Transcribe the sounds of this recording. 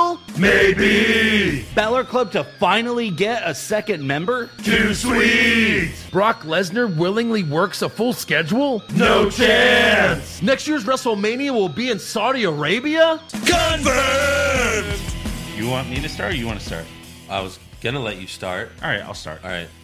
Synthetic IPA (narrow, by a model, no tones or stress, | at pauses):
lˠmeɪbi | b̥ælˠə˞kʰl̥ʌb̚tʰɨfãɪ̃nl̩ˠiɡɛɾəsɛkɨ̃nmɛ̃mbə˞tʰʉswit̚b̥ɹɑklɛznə˞wɪlˠɪ̃ŋliwɜ˞ksəfʊlˠskɛd͡ʒwl̩ˠnoʊt͡ʃʰæ̃nsnɛkstjɪɹzɹɛsl̩ˠmẽɪ̃niəwɪlˠbiɨ̃nsaʊɾiə˞eɪbiəkʰʌ̃nfɜ | jɨwɑ̃nmiɾɨstɑ̰ɹt͡ʃɨwɑ̰̃nʰɨstɑ̰ɹt̚ | ʔaɪwʌz | ɡ̥ʌnəlɛ̰t͡ʃɨstɑ̰ɹt̚ʔɑ̰ɹaɪtaɪlˠstɑ̰ɹt̚ʔɑ̰ɹa̰ɪt̚